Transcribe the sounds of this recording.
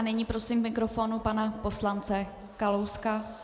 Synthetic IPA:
nɛɲipɾo̞simmɪkɾo̞foːnupanapo̞slant͡sɛ | kalowska

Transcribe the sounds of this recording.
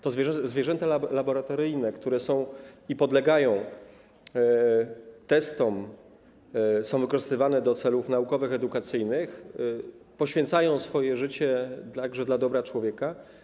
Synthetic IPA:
t̪ɔzvʲjʐɛzvʲjɛʐɛnt̪alalabɔɾat̪ɔɾɘjnɛkt̪uɾɛsɔ̃w̃ipɔd̪lɛɡajɔ̃w̃ | t̪ɛst̪ɔm | sɔ̃w̃vɘkɔʐɘst̪ɘvanɛd̪ɔt̪sɛlufnaukɔvɘxɛd̪ukat̪sɘjnɘx | pɔɕfʲjɛnt̪sajɔ̃w̃sfɔjɛʐɘt͡ɕɛd̪t̪aɡʐɛd̪lad̪ɔbɾat͡ʂwɔvʲjɛka

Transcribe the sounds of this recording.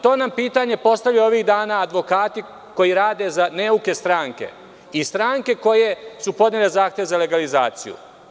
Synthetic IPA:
t̪o̞ːnampiːt̪aɲe̞po̞st̪aʋʎao̞ʋiɣd̪aːnaːd̪ʋo̞kaːt̪i | ko̞jiɾaːd̪e̞zaneuke̞st̪ɾaːŋke̞̰ | ist̪ɾaːŋke̞ko̞je̞supo̞d̪ɲele̞zaːxt̪je̞ʋezale̞ɡaliza̰ːt̪sḭjṵ

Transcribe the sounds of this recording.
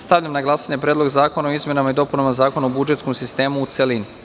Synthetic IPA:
st̪aʋʎamnaɡlˠasaɲe̞pɾeːd̪lo̞ɡzaːko̞naoizmje̞namaid̪o̞punamazaːko̞naobud͡ʒe̞t̪sko̞msist̪e̞ːmuːt̪selini

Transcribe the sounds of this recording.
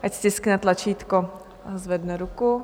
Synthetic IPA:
ʔacstʲɪsknɛt̪lat͡ʃiːt̪ko | zvɛdnɛɾuku

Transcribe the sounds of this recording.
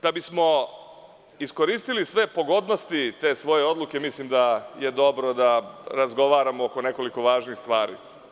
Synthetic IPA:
d̪̥abismo̞ | isko̞ɾiːst̪ilisʋe̞po̞ɡo̞d̪no̞st̪it̪e̞ːsʋo̞je̞o̞d̪lˠuke̞mislimd̪aje̞d̪o̞bɾo̞d̪aɾazɡo̞ʋaːɾamooko̞ne̞ko̞liko̞ʋaːʒniːxst̪ʋaːɾḭː

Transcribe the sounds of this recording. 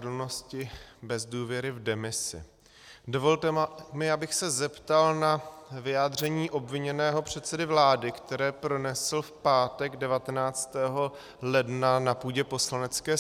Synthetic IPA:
dl̩no̞scɪbɛzduːvjɛɾɪvdɛmɪsɪ̰ | do̞volt̪ɛmɪabɪxsɛzɛpt̪alnavɪjaːd̪r̝ɛɲiːʔo̞bvɪɲɛnɛːɦo̞pr̝̥ɛt̪sɛdɪvlaːdɪkt̪ɛɾɛːpɾo̞nɛsl̩fpaːt̪ɛɡdɛvat̪ɛnaːt͡st̪ɛːɦo̞ | lɛdnanapuːɟɛpo̞slanɛt͡skɛː

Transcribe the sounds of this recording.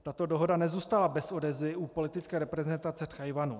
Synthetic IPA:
t̪at̪o̞doɦo̞danɛzuːst̪alabɛso̞dɛzvɪʔupo̞lɪt̪ɪt͡skɛːɾɛpɾɛzɛnt̪at͡sɛt̪xajvanu

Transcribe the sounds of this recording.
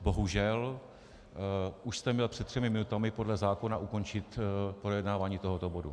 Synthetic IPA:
bo̞ɦuʒɛl | ʔuʃst̪ɛmɲɛlpr̝̥ɛt̪ːr̝̥ɛmɪmɪnut̪amɪpo̞dlɛzaːko̞naʔuko̞nt͡ʃɪt̪pɾo̞jɛdnaːvaːɲiːt̪o̞ɦot̪o̞bo̞dṵ

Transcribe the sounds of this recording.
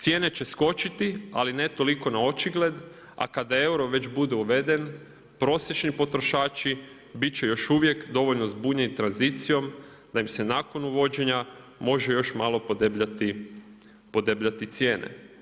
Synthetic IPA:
t̪sje̞ːne̞t͡ɕe̞sko̞t͡ʃit̪ia̰line̞t̪o̞liko̞nao̞t͡ʃiɡle̞d̪ | a̰kad̪ae̞wɾo̞ʋe̞t͡ʃbud̪e̞uʋe̞d̪e̞n | pɾo̞sje̞t͡ʃnipo̞t̪ɾo̞ʃaːt͡ʃi | bit̪̚t͡ɕe̞jo̞ʃuʋje̞kd̪o̞ʋo̞ʎno̞zbuːɲenit̪ɾanzit̪sijo̞m | d̪̥aimse̞naːko̞nuʋo̞d͡ʑe̞ɲa | mo̞ʒe̞jo̞ʃmalˠo̞pod̪ebʎat̪i | po̞d̪ebʎat̪it̪sje̞ːnḛ

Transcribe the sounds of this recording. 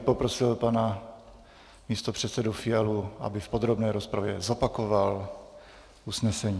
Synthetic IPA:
po̞pɾosɪlpana | miːst̪o̞pr̝̥ɛt̪sɛdufɪɛluʔa̰bɪfpod̪ɾobnɛːɾo̞spɾavjɛzo̞pako̞val | ʔusnɛsɛɲiː

